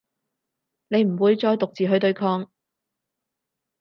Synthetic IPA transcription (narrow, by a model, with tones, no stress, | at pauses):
ne˨˧jm̩˨˩wuː˨˧jt͡sɔː˧jt̪ʊ˨k̚t͡siː˨ɦɵ˧˥t̪ɵ˧ɥkʰɔː˧ŋ